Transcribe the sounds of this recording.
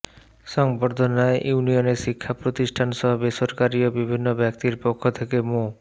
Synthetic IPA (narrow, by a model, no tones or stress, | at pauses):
ʃɔŋboɾd̪ʱonaeʔjuunioneɾʃikʰːapɾot̪iʃʈʰanʃɔɦobeʃoɾkaɾiobibʱinːobɛkt̪iɾpokʰːot̪ʰekemo